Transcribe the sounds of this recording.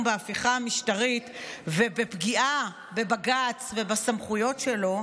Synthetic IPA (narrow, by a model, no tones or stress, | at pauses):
mbeafiχamiʃtaʁit̪vebepɡiʔa | be̞baɡat͡sve̞basamχujo̞tʃe̞lo̞